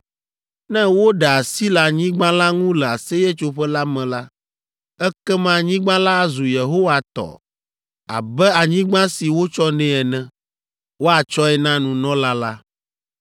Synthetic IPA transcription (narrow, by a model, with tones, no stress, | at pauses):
nɛ̃˦wo˦ɖɛ˨a˨si˦la˨ɲĩ˦ɡ͡bã˦la˦ŋũ˦lɛ˨a˨se˦je˦t͡ʃo˦ɸɛ˦la˦mɛ̃˨la˦ | ɛ˦kɛ˦mã˦ɲĩ˦ɡ͡bã˦la˦a˨zu˨je˨ɦo˦wa˨t̪ɔ̰˨ | a̰˨bɛ˦a˨ɲĩ˦ɡ͡bã˦si˨wo˦t͡ʃɔ˦nɛ̃˦ɛ˨nɛ̃˨ | wo˦a˨t͡ʃɔ˦ɛ˨nã˦nũ˨nɔ̃˦la˦la˦